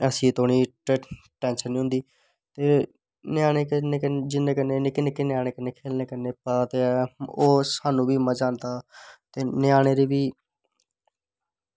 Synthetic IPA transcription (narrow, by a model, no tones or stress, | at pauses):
əsĩːt̪ʰoːɳ̃iːʈ | ʈɛ̃ːnʃənːĩɦʊ̃nd̪iː | t̪eː | njaːɽeːkənekd͡ʒɪnːẽːkəneekɪneːkenɪjaːɽ̃eːkɪnːeːkʰeːlneːkəneːpaːt̪eːoːsaːnũːbʱiːməd͡ʒaːnt̪aːt̪eːnɪjaːɽ̃eːɾiːʋiː